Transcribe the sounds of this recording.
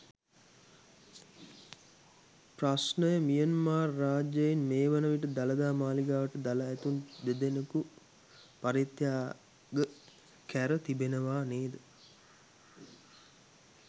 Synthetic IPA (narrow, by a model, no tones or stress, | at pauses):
prasnəjəmijənmaːrːaːd͡ʒəjinmeːʋənəʋiʈəd̪aləd̪aːmaːliɡaːʋəʈəd̪aləːt̪und̪ed̪eneku | paɾit̪jaː | ɡə | kæɾət̪ibenəʋaːneːd̪ə